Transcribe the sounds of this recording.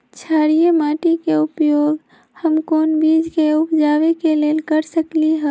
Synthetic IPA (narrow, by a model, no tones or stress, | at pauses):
t͡ʃʰaːɽijemaːʈikeʊpjoːɡ | həmkoːnbiːd͡ʒkeʊpd͡ʒaːʋekeleːlkəɾsəkliɦɛ